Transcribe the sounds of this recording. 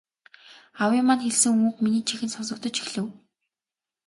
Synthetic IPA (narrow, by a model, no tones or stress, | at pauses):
awɪmaːnxeɮsɘ̆ŋuŋuːkminiːt͡ɕʰixɘ̆nsɔsɞ̆k̚t̪ɞ̆t͡ɕi̥xɮɘ̆w